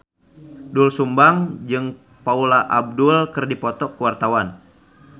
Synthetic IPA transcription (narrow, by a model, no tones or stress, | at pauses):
dulsumbaŋd͡ʒɨŋ | paulaʔab̚dulkɨrdipɔt̪ɔkuwart̪awan